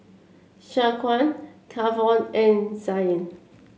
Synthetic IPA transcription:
ʃakʰwãnkʰavɔnɛ̃nzajə̃n

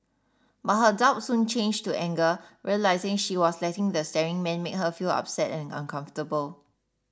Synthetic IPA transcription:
bat̚ɦədaʊt̚sũnt͡ʃẽnd͡ʒtuʔɛ̃ŋɡəɹiəlaɪzɪ̃ŋʃiwɔslɛtɪ̃ŋdəstɛɹɪ̃ŋmɛ̃nmek̚ɦəfila̰p̚sɛtɛ̃nã̰nkʰãɱftəbəl

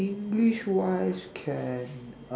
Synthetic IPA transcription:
ɪ̃ŋɡliʃwaɪz̥kʰɛn

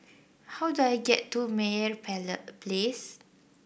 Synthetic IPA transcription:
hawduajɡɛtːumɛɹpʰɛlətples

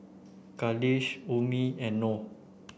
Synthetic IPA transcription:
kaliʃomiɛ̃nːo

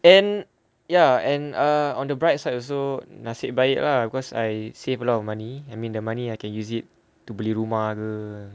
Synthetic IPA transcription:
ɛ̃n | jaɛ̃nəɔ̃ndəbɹajt̚sajtɔls̬onasɪʔ̚baiʔlahbikɔsa̰jsevəlɔtɔfmãniajmĩndəmãniajkɛ̃njusit̚ː | ubəliɹumahkə

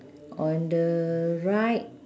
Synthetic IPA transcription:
ʔɔ̃ndəɹajt̚

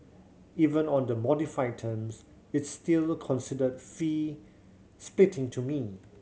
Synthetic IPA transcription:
ivə̃nɔ̃ndəmɔdifaɪtʰə̃ms | ɪtstilkʰɔ̃nsidədfi | splɪtɪ̃ŋtʰumi

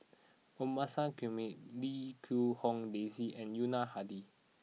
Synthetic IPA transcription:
omasãkumit̚likʰuhɔ̃ŋdeziʔɛ̃njunahadi

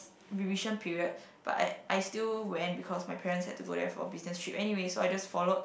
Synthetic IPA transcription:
ɹiviʃə̃npʰiɹiəd̚b̥a̰ta̰ʔajstilwɛ̃ntbikʰɔsmajpʰɛɹə̃nshɛ̰d̚tuɡo̰dɛ̰fɔ̰bisnɛstɹipʔɛniwesoajd͡ʒasfɔlod̚

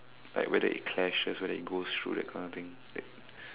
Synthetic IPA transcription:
la̰ɪkwʔɛdə̰ḭt̚kʰlɛʃəswɛɾəit̚ɡost̪ʰɹṵːdɛ̰t̚kʰãɪnɔt̪ɪ̃ŋ | lɛ̰t̚

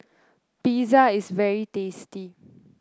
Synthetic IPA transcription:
pizaɪsvɛɹitesti

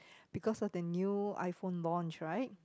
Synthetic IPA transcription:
b̥ikɔsɔfdənjua̰jfõnlɔ̃nt͡ʃɹaɪt̚

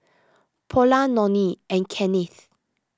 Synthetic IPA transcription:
pʰɔlãnɔ̃niɛ̃nkʰɛniθ

